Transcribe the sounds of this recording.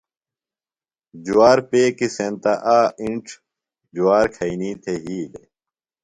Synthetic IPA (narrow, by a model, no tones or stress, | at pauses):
d͡ʑuwaːɾpeːkisent̪aʔaːiɳʈ͡ʂʰ | d͡ʑuwaːɾkʰɐiniːt̪ʰeɦiːle